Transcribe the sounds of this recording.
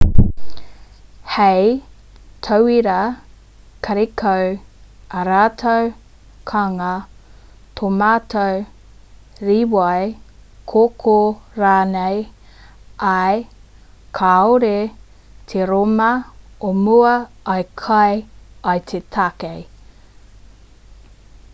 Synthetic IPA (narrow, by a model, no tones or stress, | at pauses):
hej | tʰowiɾɐ | kʰɐɾekʰowɐɾaːt̪ʰow | kʰaŋɐ | t̪ʰomaːtʰow | ɾiwajkʰokʰoɾaːnej | ɐj | kʰaoɾe | t̪ʰeɾomɐomuɐ | ajkʰajajt̪ʰetʰakej